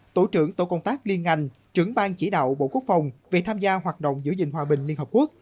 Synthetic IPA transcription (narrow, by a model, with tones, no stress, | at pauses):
t̪o˧˩t͡ɕɨ̰˧˩əŋt̪o̰˧˩˦kə˧wŋ͡mt̪aː˦˥k̚li˧ənŋa˧˩jŋ̟ | t͡ɕɨ˨˧˦əŋɓaː˧ŋt͡ɕi˧˦ɗa̰ː˧˨wɓo̰˧˨ku˦˥ək̚fa˨˩wŋ͡mve˨˩t̪ʰaː˧mzaː˧ɦwaː˨˩t̚ɗə̰˧˨wŋ͡mzɨ̰˧˥zï˨ŋ̟ɦwaː˧ɓï˨˩ŋ̟li˧ənhəː˨˩p̚ku˦˥ək̚